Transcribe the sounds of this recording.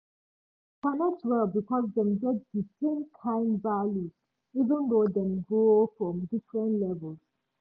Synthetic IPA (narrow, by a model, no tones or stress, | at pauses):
kʰãnɔtɹɛlbikʰɔzdɛ̃md͡ʒɛt̚disẽnkʰãɪ̃ndvaljuz | ivə̃nd̪od̪ɛ̃mɡoofɹɔ̃mdifɹə̃ntlɛvəlz̥